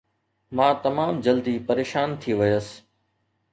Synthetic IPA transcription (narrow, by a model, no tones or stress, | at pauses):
mãːt̪ɐmaːmd͡ʑɐld̪ipɐɾeːʃaːnt̪ʰiʋɐjəs